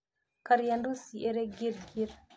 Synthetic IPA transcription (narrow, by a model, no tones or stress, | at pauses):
kaɾijandusiʔeɾeɡiɾɡiɾ